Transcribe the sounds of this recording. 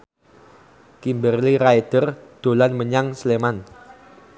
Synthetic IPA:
kimbərliɾajd̪̥ərd̪̥o̤lanməɲaŋsleman

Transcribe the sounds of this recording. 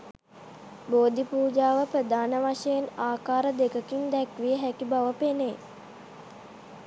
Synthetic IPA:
boːd̪ipuːd͡ʒaːʋəpɾəd̪aːnəʋaʂɐjenaːkaːɾəd̪ekəkind̪ɛkʋijəɦækibaʋəpene

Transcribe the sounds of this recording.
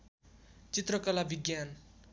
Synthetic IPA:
t͡sit̪rʌkʌlabʱiɡjan

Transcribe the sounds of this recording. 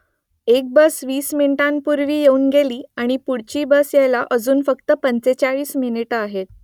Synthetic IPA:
ek̚bəsʋiːsminiʈãnpuɾʋiːjeuːnɡeliːaɽ̃ipuɽt͡ɕiːbəsjajlaʔəd͡zuːnfəkt̪əpənt͡set͡ɕaɭiːsminiʈəaɦet̪

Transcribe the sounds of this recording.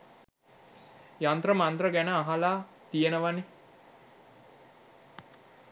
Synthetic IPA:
jant̪rəmant̪rəɡænəaɦalaː | t̪ijenəʋane

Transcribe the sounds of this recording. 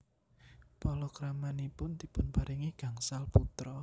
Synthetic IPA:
pɔlɔkɾamanipʊnt̪ipʊnpaɾiŋiɡ̥a̤ŋsalput̪ɾɔ

